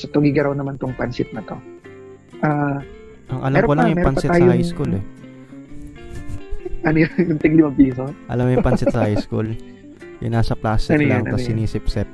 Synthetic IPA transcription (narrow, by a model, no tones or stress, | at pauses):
sɐt̪oɡiɡɐɾɐwnɐmant̪oŋpɐnsɪt̪̚nɐt̪o | ʔaː | ʔɐŋʔɐ̰lɐɛmɾkolɐŋjʊŋmɛɾpoɐnpɐsɪt̪aːjsɐhajskulɛ | ʔɐnojjʊnt̪ɪɡlɪmɐpiːsoʔɐ̰lɐmjʊpɐnsɪt̪sɐhhajskṵl | jʊ̰ŋnaːsɐplaːst̪ɪnlaŋʔɐ̰ɐsɪniːsɪpsɛt̪̚